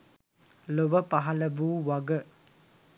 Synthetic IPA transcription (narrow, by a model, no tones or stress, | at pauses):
lobɐpaɦɐlɐbuwaɡə